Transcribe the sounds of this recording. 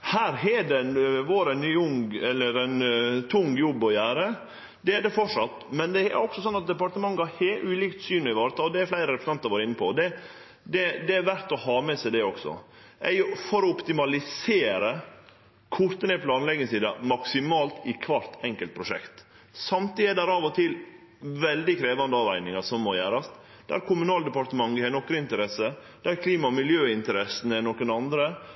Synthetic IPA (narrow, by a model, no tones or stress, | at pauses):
hæːɾɦɛd̪ɛnʋoːɾɛnyʊŋɛlːəɾæɪnt̪ʰʊŋjɔbːɔjæːɾə | d̪ɛæɖɛfɔʂɑt̪ːmɛnd̪ɛæ̰ɾɔksɔsɔnːɑt̪̚d̪ɛpɑʈ̪əmɑŋːɡɑɾhɛʔʉːliːkt̪syːnɔɪʋɑːɾət̪ʰɑlɔd̪ɛæɾflæɪɾəɾɛpɾəsnɑnt̪ɑɾʋɑːɾɪnːəpʰɔd̪ɛ | d̪ɛd̪ɛæɾʋæɾt̪ɔhɑːmɛsɛɪd̪ɛɔɡ̥sɔ̰ | ʔæjʊfɔɾɔɔpt̪ɪmɑlɪseːɾə | kʰʊɾt̪ənɛpʰlɑːnlɛɡəsiːd̪ɑmɑksɪmɑːlt̪ɪkʰʋɑɾt̪ɛŋkəlt̪̚pʰɾʊʂɛ̰kt̪ | sɑmt̪iːɪd̪æɾɑːʋɔt̪ʰɪl | ʋɛld̪ɪkʰɾeːʋɑnd̪əɑːʋæɪnɪŋɑʂɔmːɔjæːɾɑs | d̪̥æ̰ɾkʰʊmʉnɑːld̪əpɑɾt̪əmɑŋɡəɛnɔkːɾəɪnt̪əɾɛsə | d̪̥æɾkʰliːmɑmɪljøːɪnt̪əɾɛsənɛnɔkənɑnd̪ɾə